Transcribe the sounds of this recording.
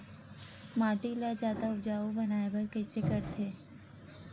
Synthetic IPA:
maːʈilad͡ʒaːd̪aʊbd͡ʒaːubɐnaːebəɾkɛːsekəɾt̪ʰeː

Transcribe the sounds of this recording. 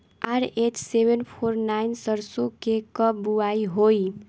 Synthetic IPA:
aɾet͡ʃsebenpʰoɾnajnsəɾsokekʌbbuaiɦoj

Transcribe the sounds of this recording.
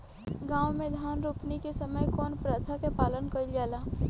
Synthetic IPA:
ɡãːwmẽd̪ʱaːnɾuːpnikesəməjkɔːnpɾat̪ʰakepaːlənkəɾid͡ʒaːlaː

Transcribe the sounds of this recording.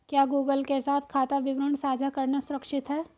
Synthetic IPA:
kjaːɡuːɡəlkesaːt̪ʰkʰaːt̪aʋɪʋɾəɳsaːd͡ʒʱakɐɾnasʊɾəkʃɪt̪ɦɛː

